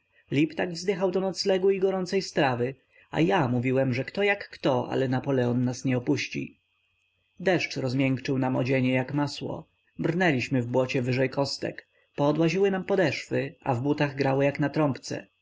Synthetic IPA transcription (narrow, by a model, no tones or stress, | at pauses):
lʲipt̪aɡvzd̪ɘxawd̪ɔnɔt̪slɛɡuiɡɔɾɔnt̪sɛjst̪ɾavɘ | a̰jamuvʲiwɛmʐɛkt̪ɔjakːt̪ɔʔa̰lɛnapɔlɛɔnːasɲɛɔpuɕt͡ɕḭ | d̪ɛʂt͡ʂɾɔzmʲjɛŋkt͡ʂɘwnamɔ̰d͡ʑeɲɛjakmaswɔ̰ | bɾnɛlʲiɕmɘvbwɔt͡ɕɛvɘʐɛjkʰɔst̪ɛ̰k | pɔːd̪waʑiwɘnampɔd̪ɛʂfɘʔa̰vbut̪aɣɡɾawɘjaknat̪ɾɔmpt̪sɛ̰